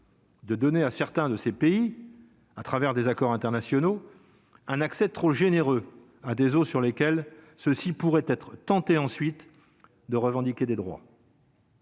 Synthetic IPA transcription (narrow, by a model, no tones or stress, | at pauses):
d̪əd̪ɔneasɛʁt̪ɛ̃d̪əsepei | at̪χavɛʁd̪ezakɔʁɛ̃t̪ɛʁnasjɔno | ɛ̃naksɛt̪χoʒeneʁø | ad̪ezosyʁlekʲɛl | səsipuʁɛt̪ɛt̪χt̪ɑ̃t̪eɑ̃sɥit̪ | d̪əʁəvɑ̃d̪ikʲed̪ed̪ʁwa̰